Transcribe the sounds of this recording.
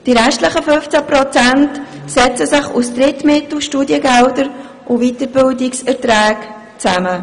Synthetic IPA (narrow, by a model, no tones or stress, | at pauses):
d̥iɾɛʃtlɪχəfɵft͡sæpɾɔt͡sænt | sɛt͡səsɪχusd̥̪ɾɪtmɪtl̩ʃtudjəɡɛldəɾ | ʔʊvit̪əɾbɪldɪksɛɾtɾæːk | t͡sæmə